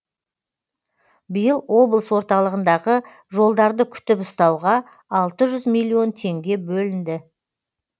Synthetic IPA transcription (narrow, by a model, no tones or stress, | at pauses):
bijəlˠwo̞blˠəswo̞ɾt̪ɑlˠəʁənd̪ɑʁə | ʒo̞lˠd̪ɑɾd̪əkʲʰʏ̥t̪ɪpʊst̪ɑwʁɑː | lˠt̪əʒʏzmijlʲˠːio̞nt̪ʰe̞ŋɡʲe̞bɵlɪnd̪ɪ